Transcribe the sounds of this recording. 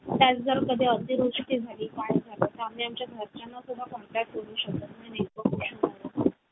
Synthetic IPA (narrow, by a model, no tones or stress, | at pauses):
t̪jat͡sd͡zəɾkəd̪ʱeəd̪ʱiɾuʂʈiːd͡zʱaliːt̪aɳid͡zʱalet̪amiːamt͡ɕjasət͡ɕanːasud̪ʱːakɔɳʈɾak̚ʈkəɽuːɕək̚t̪ət̪nenekokoɕunaaa